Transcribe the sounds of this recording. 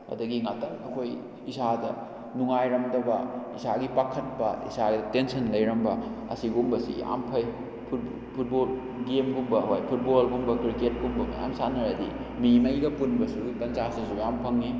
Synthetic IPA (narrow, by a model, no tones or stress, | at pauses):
ɐ̰dɐɡiŋatɐŋɐkʰoj | isadɐ | nuŋajɾɐmdɐbɐisaɡipakʰɐt̚pɐḭsaɡitensɐnlɐjɾɐmbɐɐ̰siɡumbɐsḭja̰mpʰɐj | pʰub | pʰut̚bol | ɡemɡumbɐɦojpʰut̚bolɡumbɐkɾiket̚ɡumbɐmḭja̰msanɐɾɐdḭ | mimɐjɡɐpunbɐsuɡikɐnt͡ʃasisujampʰɐŋːi